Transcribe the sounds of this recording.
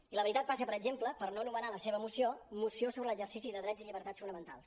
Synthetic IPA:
iləβəɾit̪at̪̚pasəpəɾəd͡ʒempləpəɾnoənumənaləseβəmusiomusiosoβɾələɡzərsisiðəðɾɛd͡ziʎiβəɾt̪at͡sfunəmə̃nt̪alˠs

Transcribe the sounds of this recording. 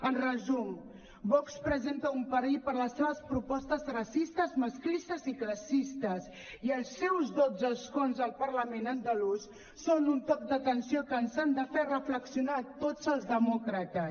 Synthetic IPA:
ənrəzum | bɔkspɾəzent̪əumpəɾiʎpəɾləsːeβəspɾupɔst̪əzrəsist̪əzməsklist̪əzikləsist̪əs | iəlˠsːɛwzðod͡zəskonzəlˠpəɾləmenənd̪əlusː | onunt̪ɔk̚d̪ət̪ənsiokənzand̪əfɛrəfləksiunaːt̪od͡zəlˠzðəmɔkɾət̪ə

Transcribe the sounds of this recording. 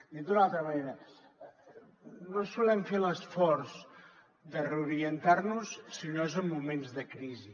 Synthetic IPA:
d̪id̪unalˠt̪ɾəməneɾə | nosulɛmfeləsfɔrz | d̪əreuɾiənt̪arnussinoezəmːumenzðəkɾizi

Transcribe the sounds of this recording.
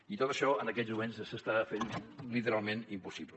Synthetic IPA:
it̪ot̪əʃɔənəkɛzmumenssəst̪afenlit̪əɾalˠmenimpusiβlə

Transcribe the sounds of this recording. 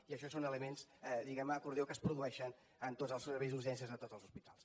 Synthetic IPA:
iəʃɔsonələmenzd̪iɣɛməːkuɾðjokəspɾuðuɛʃən | ənt̪odzəlˠsəɾβɛjzuʒɛnsiəzðət̪ozəlˠzuspit̪alˠs

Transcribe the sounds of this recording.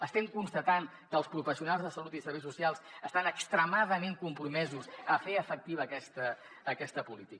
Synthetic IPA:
əst̪ɛmkunst̪ət̪aŋ | kəlˠspɾufəsiunalˠzðəsəlut̪isəɾβejs̬usialˠsəst̪anəkst̪ɾəmaðəmeŋkumpɾumɛzuzəfeəfək̚t̪iβəːkɛst̪əː | kɛst̪əpulit̪ik

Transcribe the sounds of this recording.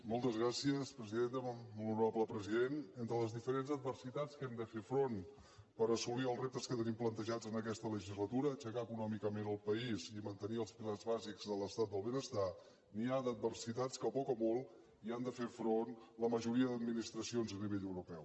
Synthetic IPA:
mɔlˠt̪əzɣɾasiəspɾəziðend̪əmuluɾapləpɾəziðenent̪ɾələzðifəɾenzəd̪̚bərsit̪at͡skɛmd̪əfefɾon | pəɾəsuliəlˠzrep̚t̪əskət̪ənimplənt̪əʒad͡zənəkɛst̪ələʒizlət̪uɾət͡ʃəkaəkunɔmikəmenəlˠpəizimənt̪əniəlˠspilarzβazikzðələst̪at̪̚d̪əlˠβənəst̪a | niad̪ət̪̚bərsit̪at͡skəpɔkəmɔlˠ | iand̪əfefɾonləməʒuɾiəðəd̪̚minist̪ɾəsionzəniβeʎəwɾupɛw

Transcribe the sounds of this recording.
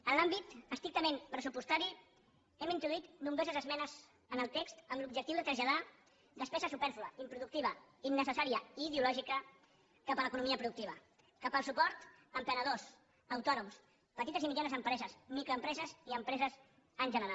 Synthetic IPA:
ənlambit̪əst̪ɾik̚t̪əmempɾəsupust̪aɾi | ɛmint̪ɾuðuit̪numbɾozəzəzmɛnəz | ənəlˠt̪ekst̪əmlub̚ʒək̚t̪iuwðət̪ɾəzʎaða | d̪əspɛzəsupɛɾfuləimpɾuðuk̚t̪iβ̞əinːəsəsaɾiəiːðiulɔʒikə | kapələkunumiəpɾuðuk̚t̪iβ̞ə | kapəlˠsupɔɾt̪əmpənəð̞os | əwt̪ɔnums | pət̪it̪əzimiʎanəzəmpɾɛzəzmikɾoəmpɾɛzəziəmpɾɛzəz | ənʒənəɾa

